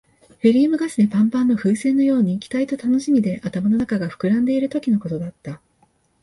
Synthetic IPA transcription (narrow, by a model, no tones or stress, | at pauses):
ɸeɾʲiːmɯ̟ɡasɨd̪epãmpãnːo̞ɸɯ̟ːsẽ̞nːo̞jo̞ːɲ̟iːkʲi̥t̪ait̪o̞t̪ano̞ɕimʲid̪e̞ʔat̪amano̞nakaɡaɸɯ̥kɯ̟ɾãnd̪e̞iɾɯ̟t̪o̞kʲino̞ko̞t̪o̞d̪at̪ːa